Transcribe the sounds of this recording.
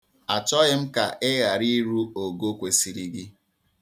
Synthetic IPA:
a˨t͡ʃɔ˦ɣɪ˦m̩˦ka˨ʔɪ˦ɣa˨ɾi˦ɾu˦o˨ɡo˦kʷe˨si˨ɾi˦ɡi˦

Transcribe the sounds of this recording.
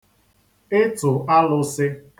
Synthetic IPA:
ɪ˦tʊ˨a˦lʊ˦sɪ˦

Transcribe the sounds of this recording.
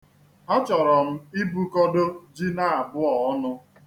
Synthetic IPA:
ɔ˦t͡ʃɔ˨ɾɔ˨m̩˦i˦bu˦kɔ˦do˦d͡ʒi˦na˦˨a˨bʊ˦ɔ˨˦nʊ˦

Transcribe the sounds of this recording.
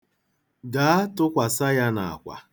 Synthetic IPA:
ɡa˨a˦tʊ˦kʷa˨sa˦ja˦na̰˨a̰˨kʷa̰˨

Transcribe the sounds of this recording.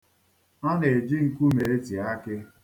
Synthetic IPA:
ɔ˦ne˨e˨d͡ʒi˦ŋ̩˨kʷu˦me˨e˦ti˨a˦kɪ˦

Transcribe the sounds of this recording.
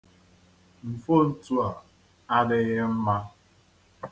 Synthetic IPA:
m̩˨fo˦˨n̩˨tu˦a˨ | a˦dɪ˦ɣɪ˦m̩˦ma˦

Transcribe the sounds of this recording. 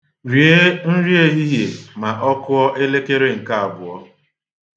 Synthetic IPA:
ɾi˨e˦n̩˦ɾi˦e˦ɦi˦ɦje˨ma˨ʔɔ˦kʊ˦ɔ˦ʔe˦le˦ke˦ɾe˦ŋ̩˨ka˦a˨bʊ˨ɔ˦

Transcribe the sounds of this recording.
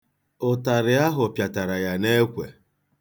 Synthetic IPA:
ʊ˨ta˨ɾɪ˨a˦ɦʊ˨pja˨ta˨ɾa˨ja˨ne˦kʷḛ˨

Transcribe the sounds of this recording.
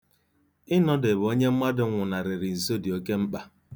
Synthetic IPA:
ɪ˦nɔ˦de˨bo˦ɲe˦m̩˦ma˦dʊ˦ŋʷʊ˨na˨ɾɪ˨ɾɪ˨n̩˨so˦di˨o˨ke˦m̩˦k͡pa˨

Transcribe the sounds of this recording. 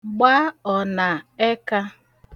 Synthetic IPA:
ɡ͡ba˦ɔ˨na˨e˦ka˦

